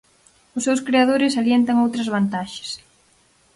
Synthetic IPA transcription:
ʊsːewskɾeaðoɾɪsaljent̪ɐŋowt̪ɾɐzβant̪aʃɪ̥s

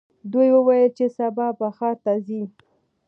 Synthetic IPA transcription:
d̪ujwəwajəlt͡ʃesabɑbaxɑt̪azi

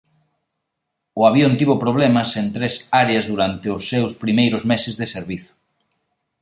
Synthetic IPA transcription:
ʊaβjont̪iβʊpɾoβ̞lɛmɐsent̪ɾesaɾeɐzðuɾant̪ɪʊsːewspɾimejɾʊzmesɪzðeseɾβiθʊ̥

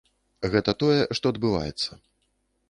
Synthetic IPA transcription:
ɣɛt̪ɐt̪ɔjɛʂt̪ɔɐd̪bɨva̰jɛ̰t̪sːɐ

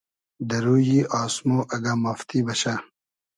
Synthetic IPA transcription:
d̪ɐɾuːjiːʔaːsmoːʔɐɡamɐft̪ibɐɕa

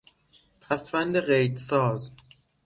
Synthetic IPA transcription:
pʰæsvænd̪eɢejd̪sɒːz

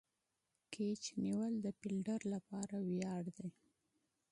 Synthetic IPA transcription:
kʰet͡ʃniwəld̪əpilɖəɾlapɑɾawjɑɽd̪ej

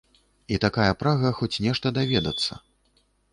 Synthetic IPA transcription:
it̪akajɐpɾaɣɐxɔt͡sʲnʲɛʂt̪ɐd̪avʲɛd̪ɐt̪sːɐ̰

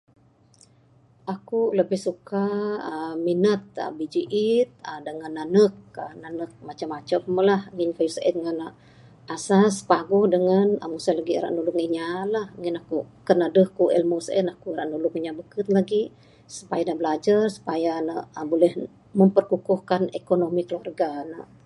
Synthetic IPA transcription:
ʔakuləbɪhsuka | minət̪̚ə̰bid͡ʒiʔit̪̚ədəŋanːanək̚ənanək̚mat͡ʃamat͡ʃəmːəlahŋɪnkajusaʔɛ̰t̪̚ŋana | asaspaɡʊhdəŋanə̰musalaɡiɾa̰ʔnulʊŋiɲalahŋinakukərnadəhkuʔɛ̰lmusə̰nakuɾaʔnulʊŋiɲabəkət̪̚laɡi | su̥pajanəbəlad͡ʒarsu̥pajanəʔbolɛh | məmpərkukuhkanekonomikəluarɡanə̰

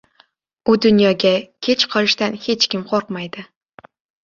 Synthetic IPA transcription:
ʊd̪ʊnjɒɡʲakʲʰe̞t͡ʃqʰɒlɪʃt̪anhe̞t͡ʃkʲɪmqʰoɾqmajd̪ɪ

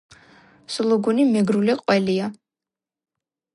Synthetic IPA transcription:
slˠɔɡunimɛɡɾuliqʼwɛlia

